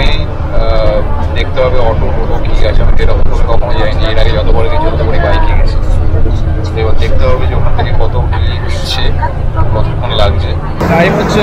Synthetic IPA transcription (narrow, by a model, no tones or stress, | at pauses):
mi | d̪ek̚ʰt̪ebʱabeɔʈoɾoɾokiɡɛt͡ɕʰeamifeɾaokekɔkʰonod͡ʑajnieɾaɡed͡ʑɔt̪obɔɾeked͡ʑot̪okoɽibajkiɡɛt͡ɕʰe | ebod̪ek̚ʰt̪ebʱɔbed͡ʑokʰont̪ʰikekɔt̪okinitːɕʰe | kɔt̪okʰonlaɡt͡ɕʰe | tajboe